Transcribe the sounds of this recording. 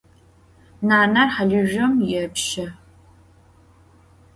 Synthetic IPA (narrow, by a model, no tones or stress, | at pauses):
naːnɐrħaɮɪʒɐmjɛpʃɐ